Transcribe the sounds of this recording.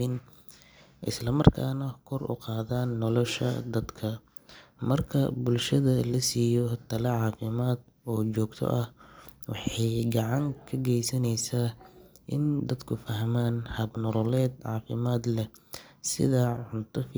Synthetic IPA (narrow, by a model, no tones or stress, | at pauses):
ɪn | ʔɪ̰slɐmɐrkʰaːnɐkʰɔrʔʊ̰qɑːðaːnːɔlɔʃɐ̰d̪ɐd̪kʰɐ | mɐrkʰɐ̰bʊlʃɐðɐlɐsiːjɔt̪ʰɐlɐʕɑːfɪmaːd̪̚ | ɔːt͡ʃɔːɡt̪ʰɔ̰ʔɐhwɑ̰ħɑjɡɑʕɑŋkʰɐɡɛjsɐnɛjsɐ | ʔɪnd̪ɐd̪kʰʊfɐɦmaːnhɐbnɔɾɔlɛːd̪ʕɑːfɪmaːd̪lɛsɪ̰ðɐʕʊnt̪ʰɐf